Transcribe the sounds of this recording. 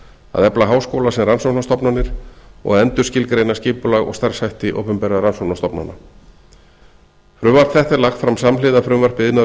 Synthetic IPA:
a̰ðɛplaɦaːwskoːwlasɛmransownast̪ɔpnanɪɾ̥ɔ̰ɣɛnt̪ʏɾ̥scɪlkɾeːjnascɪːpʏlaɣɔ̰ɣst̪aɾr̥sajht̪ɪʔo̰ːwpʏmpɛːɾaðaɾansownast̪ɔpna̰nːa̰ | fɾʏvaɾt̪θɛht̪aɾlaxt̪fɾamsamlɪːðafɾʏːvɛr̥pɪɪðna

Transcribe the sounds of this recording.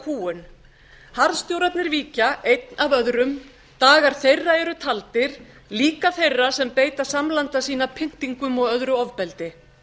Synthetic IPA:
kʰuːʏn | haɾst̪jowɾapnɪɾviːcaejt̪navœðɾʏm | t̪aːɣaɾ̥θejrːaɛɾʏt̪ʰalt̪ɪɾ̥ | liːkaθejrːasɛmpeːjt̪ḁsamlant̪asiːnapʰɪŋ̥t̪iŋkʏmɔɣœðɾʏɔvpɛlt̪ɪ

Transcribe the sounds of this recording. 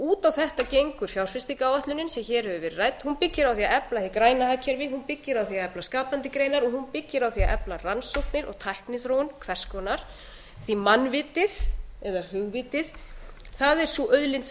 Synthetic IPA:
uːt̪awθɛht̪acejŋkʏɾ̥fjawɾ̥fɪst̪ɪkaːwaht̪lʏnɪnsɛmçɛːɾ̥hɛvʏvɛɾrajt̪hunpɪcːɪɾawθiaɛplaθikɾaːjnaɦaːcʰːɛɾvɪɦunpɪcːɪɾawθiaɛplaskaːpant̪ɪkɾeːjnaɾɔɣhunpɪcːɪɾawθiaʔɛ̰plaransowhp̪nɪɾɔ̰ɣt̪ʰajhknɪθɾowʏnkʰv̥ɛr̥skɔnaɾ̥ | θimanvɪːt̪ɪðɛðahʏɣvɪt̪ɪθ | θaðɛɾ̥suʔœɥðlɪnt̪s

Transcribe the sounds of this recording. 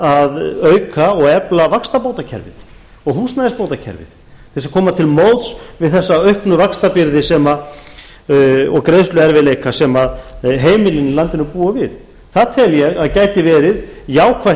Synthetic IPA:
aðœɥkʰaɔɣɛplavakst̪apoːwt̪acʰɛ̰ɾvɪ̰t̪ | ɔɣhusnaðɪspoːwt̪acʰɛ̰ɾvɪ̰t̪ʰ | ɛsakʰɔːmat̪ʰɪlmowt̪svɪðθɛsːaœɥhknʏvakst̪apɪɾðɪsɛma | ɔɣkɾeðst̪lʏɛɾvɪðlejkasɛmaðɦeːjmɪlɪnːɪlant̪ɪnʏpuːavɪð | θaðt̪ʰɛljɛɣaðcajt̪ɪvɛːɾɪðjaːwkʰva

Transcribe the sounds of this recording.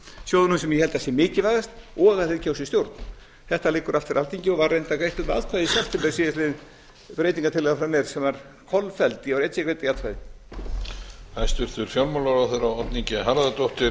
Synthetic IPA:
sjowðʏnʏmsɛmjɛhɛlt̪asjɛmɪːcɪvajðast̪ɔɣaθeɾcʰaːwsɪst̪jowɾt̪n | θɛht̪alɪkːʏɾaft̪fɪɾalt̪iɲcɪɔvarːejnt̪akɾejht̪ʏa̰ðkʰvaðɪsaft̪ʰɪpɛɾsiðɪsɪðɪ | pɾejt̪iŋkat̪ʰɪlɛðafɾanːɛɾsɛmvaɾ̥ | kʰɔlfɛlt̪ɪɔvɾɛjt̪sɪkɾejt̪ɪjat̪ʰajðɪ | ajst̪ʏɾ̥t̪ʏɾ̥fjɔlmowlaɾawθœɾawɔt̪niɲcɪɦaɾaðat̪owht̪ɪ

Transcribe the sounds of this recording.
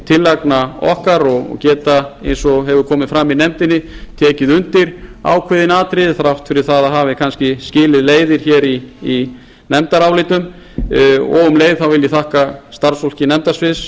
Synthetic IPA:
t̪ʰɪlːaknaɔ̰hkaɾɔɣɔ̰cɛːt̪aḛjnsɔɦɛvʏɾkʰɔːmɪðfɾamːinɛmt̪ɪnːɪt̪ʰɛːcɪðʏnt̪ɪɾ̥a̰ːwkʰvɛːðɪnaːt̪ɾɪðθaɾaht̪fɪɾɪɾ̥θaðaɦaːvɪkʰanscɪscɪːlɪðleːjðɪɾ̥çɛːɾiː | nɛmt̪aɾawlɪːt̪ʏm | ɔ̰ɣʏmleːjðθawvɪljɪθahkast̪aɾsfol̥cɪnɛmt̪asvɪs

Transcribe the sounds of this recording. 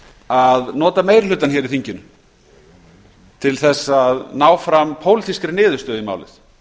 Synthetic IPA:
aðnɔːt̪amejɾɪlʏt̪ːançɛɾɪθiɲcɪnʏ | t̪ʰɪlθɛsːaðnaːwfɾampʰoːwlɪt̪iskɾɪnɪːðʏɾst̪œːðima̰wlɪ̰θ

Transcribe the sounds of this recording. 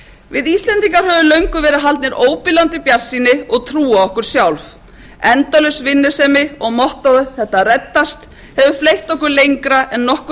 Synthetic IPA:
vɪðist̪lɛnt̪iŋkaɾ̥ɦɛvʏlœɥŋkʏvɛːɾɪðɦalt̪nɛɾoːwpɪlant̪ɪpjaɾ̥siːnɪɔɣt̪ʰɾuːaɔhkʏɾ̥sjawlf | ɛnt̪alœɥsvɪnːʏsɛmɪɔɣmɔht̪aðʏθɛht̪arɛt̪ːast̪ | hɛvʏflejht̪ɔhkʏɾlejŋkɾaʔɛnːɔhk

